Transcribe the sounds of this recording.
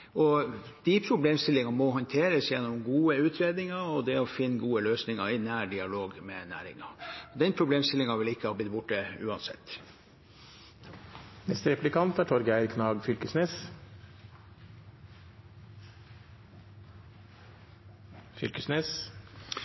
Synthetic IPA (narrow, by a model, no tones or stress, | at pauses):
ɔ | d̪̥ipʰɾʊbleːmst̪ɪlːɪŋɑmɔɦɑnt̪ʰeːɾəsjɛnːɔmɡuːəʉːt̪ʰɾeːd̪nɪŋɑɾɔd̪ɛɔfɪnːɡuːəløːsnɪŋɑɾɪnæːɖɪɑloːɡmɛnæ̰ːɾɪ̰ŋɑ̰ɔd̪ɛnpʰɾʊbleːmst̪ɪlːɪŋɑʋɪlɪkːəhɑːb̪ɪt̪bʊʈːəʉ̰ːɑnsɛ̰t̪ː | nɛst̪əɾɛplɪkɑnt̪æʈʰɔɾɡæɪɾkʰnɑːɡfʏlkəsneːs | fʏ̰lkəsneːs